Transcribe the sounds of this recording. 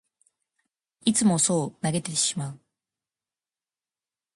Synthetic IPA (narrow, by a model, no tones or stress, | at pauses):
it͡sɨmo̞so̞ːnaɡe̞t̪e̞ɕi̥maɯ